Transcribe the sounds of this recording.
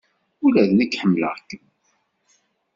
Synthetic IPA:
ulæðnəkːħəmːlə̰ʁkː

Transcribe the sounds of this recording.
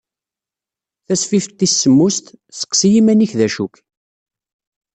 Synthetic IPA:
θæsfifət̪ːisːəmːust̪sə̥qːsijimæniçðæʃuk

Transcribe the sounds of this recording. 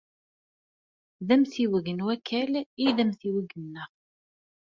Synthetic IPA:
ðæmθiwəɡənwækʰːæliðæmθiwəɡənːəʁ

